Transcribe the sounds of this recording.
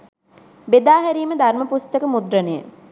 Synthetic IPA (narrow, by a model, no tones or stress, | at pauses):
bed̪aːɦæɾiːməd̪ʱarməpust̪əkəmud̪rənəjə̰